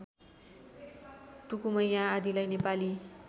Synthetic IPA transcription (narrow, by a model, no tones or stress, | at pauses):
ʈukumʌjjãːd̪ilajnepali